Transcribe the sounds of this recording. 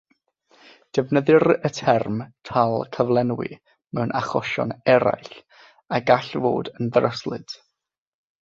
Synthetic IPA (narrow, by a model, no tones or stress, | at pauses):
d̥ɛvnəðɨɾətʰɛrmtʰalˠkʰəvlˠɛnwɪ̰ | mɛwnʔaχɔʃɔ̰nɛɾa̰jɬ | aɡaɬvo̰ːdənðrəslˠɨ̰d̥